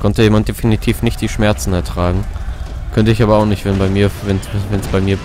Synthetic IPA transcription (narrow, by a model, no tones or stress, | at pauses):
kʰɔntəjeːmantd̥efinitʰiːfnɪçt̚d̥iːʃmɛɐt͡sn̩ɛɐtʁ̥aːɡŋ̩ | kʰœntəɪçaːbɐaʊxnɪçtv̥ɛnbaɪmiːɐvɛnsvɛnsb̥aɪmiːɐ